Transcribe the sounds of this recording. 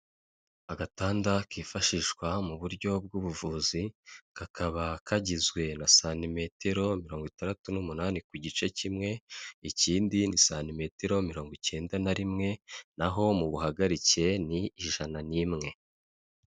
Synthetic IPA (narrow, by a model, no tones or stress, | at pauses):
aɡataːndakiːfaʃiʃɡwamuβuɾɟo̞b̚ɡuβuvuːziɡ̥akʰaβakʰaɟizɡwe̞nasaːnime̞tʰe̞ɾo̞miɾo̞ːŋɡwitandatunumunaːnikuɟit͡ʃe̞cimŋe̞iciːndinisaːnime̞te̞ɾo̞miɾo̞ːŋɡice̞ːndanaɾimŋe̞naɦo̞muβuɦaɡaɾice̞niːʒananimŋe̞